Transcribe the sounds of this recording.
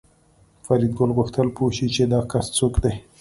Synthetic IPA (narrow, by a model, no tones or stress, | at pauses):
faɾid̪̚ɡʊlɣʊxt̪əlpoʃit͡ʃed̪ɑkast͡sokd̪e